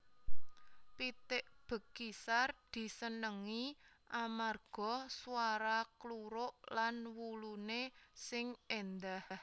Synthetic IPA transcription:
pit̪ɪʔb̥ə̤kisard̪̥i̤sənəŋi | ʔamarɡ̥ɔ̤suwaɾakluɾʊʔlanwulunesɪŋend̪ahh

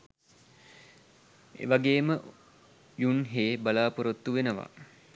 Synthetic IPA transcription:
ḛʋaɡeːmə | junɦeːbalaːpuɾət̪ːuʋenəʋa̰

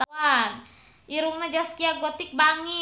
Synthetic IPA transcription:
t̪aan | iɾuŋnad͡ʒaskiaɡot̪ɪk̚baŋi

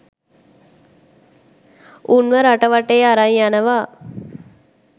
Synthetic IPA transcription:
unʋəɾaʈəʋaʈejaɾaɲjanəʋaː

